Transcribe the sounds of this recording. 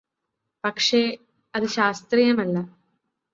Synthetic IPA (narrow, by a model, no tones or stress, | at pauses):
pɐkʂe | ɐðɨɕaːst̪rijɐmɐlːɐ